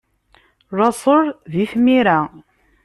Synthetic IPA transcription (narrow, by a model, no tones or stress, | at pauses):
ɾˤɑsˤoɾˤðiθmiɾa